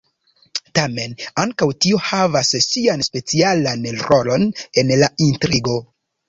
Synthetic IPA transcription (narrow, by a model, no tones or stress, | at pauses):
tame̞naŋkawtio̞havassianspe̞t͡sialanɾo̞lo̞ne̞nlaintɾiɡo̞